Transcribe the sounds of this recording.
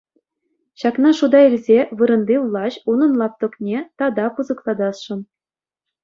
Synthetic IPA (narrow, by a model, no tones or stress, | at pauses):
ɕɑknɑʂud̪ɑilʲzʲeʋɯɾɤ̆nd̪ʲiʋlˠɑɕunɤ̆nlˠɑp̚t̪ɤ̆knʲet̪ɑd̪ɑpuzɤ̆klˠɑd̪ɑsʂɤ̆n